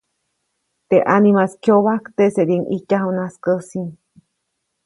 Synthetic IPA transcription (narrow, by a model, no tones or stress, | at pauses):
t̪eʔanimaskjoβakt̪eseɾiŋʔicaɦonaskəsiŋ